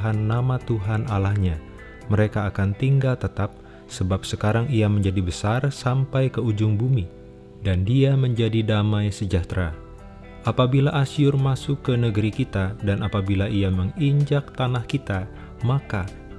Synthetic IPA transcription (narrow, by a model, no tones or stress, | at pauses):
ɦanːamat̪uɦanalahɲa | məɾekaːkant̪iŋɡalt̪ət̪ap̚ | səbap̚səkaɾaŋiaməɲd͡ʒadibəsarsampajkəud͡ʒʊŋbumi | dandiaməɲd͡ʒadidamajsəd͡ʒaht̪ɾa | ʔapabilaʔasiʊrmasʊkːənəɡəɾikit̪adanapabilaʔiaməŋiɲd͡ʒak̚t̪anahkit̪a | maka